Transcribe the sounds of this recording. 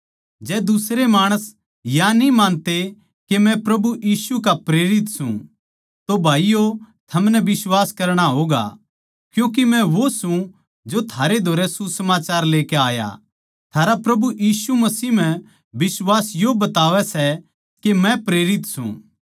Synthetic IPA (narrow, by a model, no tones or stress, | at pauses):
d͡ʒɛːd̪ʊsɾemaːɽ̃əs | janĩmãːnt̪e | kemɛ̃pɾɐbuʔiːsukapɾeːɾɪt̪sṵ̃ | t̪obʱaːijo | t̪ʰɐmnɛbɪswaːskɐɾɽ̃aɦoːɡa̰ | kjũːk̬imɛ̃ʋosũ | d͡ʒot̪ʰaːɾed̪ʱoːɾɛsusɐmaːt͡ʃaːɾleːkeaːja̰ | t̪ʰaːɾapɾɐbuʔjiːsumɐsiːm̤ɛ̃ | ʋɪswaːsjobɐt̪aːʋɛsɛ | kemɛ̃pɾeːɾɪt̪sṵ̃